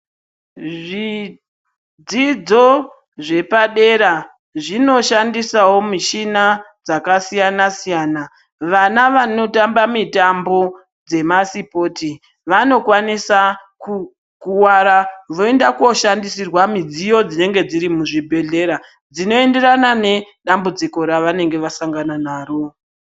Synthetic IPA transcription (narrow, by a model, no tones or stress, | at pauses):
ʐi | d͡zid͡zo̞ | ʐe̞paɗe̞ɾa | ʐino̞ʃandisawo̞miʃinad͡zakasijanasijaːna | ʋanaʋano̞tambamitambo̞ | d͡ze̞masipo̞ti | ʋano̞kwanisa | ku | kuwaɾaʋo̞e̞ndako̞ʃandisirwamid͡zijo̞d͡zine̞ŋɡe̞d͡ziɾimuʐibʱe̞ɮe̞ɾa | d͡zino̞e̞nde̞ɾanane̞ | ɗambud͡ziko̞ɾaʋane̞ŋɡe̞ʋasaŋɡananaːro̞